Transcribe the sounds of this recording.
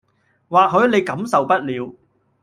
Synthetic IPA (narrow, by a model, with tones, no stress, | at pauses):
waː˨k̚ɦɵ˨˧ɥne˨˧jkɐ˨˥msɐ˨wpɐ˥t̚liː˨˧w